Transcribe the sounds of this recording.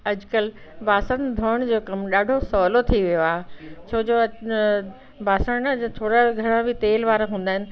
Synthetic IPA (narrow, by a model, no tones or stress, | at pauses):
ɐd͡ʑʊkəl | baːsənd̪ʱoːəɽ̃d͡ʑoːkɐmɗaːɖʱosɔːlot̪ʰiʋijoaːɦet͡ɕʰoːd͡ʑoː | baːsənt̪ʰoːɽaɡʱɐɽ̃ãbʱɪt̪eːlʋaːɾaɦũːnd̪aːɦɪnɪ̆